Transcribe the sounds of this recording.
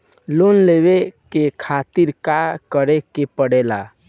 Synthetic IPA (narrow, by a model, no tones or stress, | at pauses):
lonlewekekʰat̪iɾkakəɾekepəɽela